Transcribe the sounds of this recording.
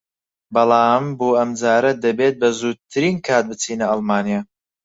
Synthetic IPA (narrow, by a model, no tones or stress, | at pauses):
bɐlˠɑːmboːɐmd͡zaːɾɐd̪ɐbeːt̪̚bɐzuːɾ̚t̪ʰɨɾiːnkʰaːt̪̚bɨt͡siːnɐɑlˠmaːnija